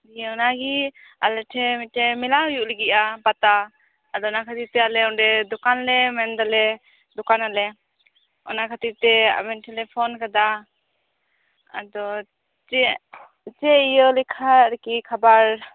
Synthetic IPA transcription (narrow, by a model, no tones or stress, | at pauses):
d̪ijɛɔnaɡi | a̰lɛʈʰɛmiʈʰɛmɛlaɦɔjuʔlɛɡiʔapat̪aː | d̪ɔɔnakʰat̪iɾt̪ɛalɛɔɖɛd̪ɔkanlɛmɛnd̪alɛ | d̪ɔkanalɛ | ɔ̰nakʰat̪iɾt̪ɛa̰bɛnʈʰɛlɛpʰɔnkad̪a | a̰d̪ɔ | t͡ʃɛ | t͡ʃɛijɔlɛkʰaɾɛkikʰabaɾ